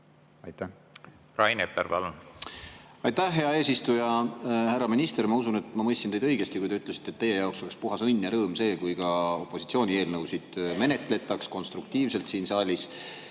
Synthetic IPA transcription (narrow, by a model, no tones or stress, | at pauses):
ɑjt̪æ | rɑjnepːeɾpɑ̰lun | ɑjt̪æhɦe̞ɑe̞ːsist̪ujɑhærːɑminʲist̪e̞ɾmɑusune̞t̪ːˑmɑmɤjst̪sinejd̪ɤjɡ̥e̞st̪ikujd̪eyt̪ːˑlesi̥t̪ːˑe̞t̪ːe̞jːe̞jɑwkso̞le̞kspuɦɑsɤnʲːjɑɾɤːmse̞ːkujkɑo̞pːˑo̞sit̪sio̞ːnʲie̞ːlnɤwsid̪̥me̞ne̞t̪ˑle̞t̪ːˑɑksko̞nst̪ɾruk̚t̪iːvse̞lt̪siːnsɑːlʲis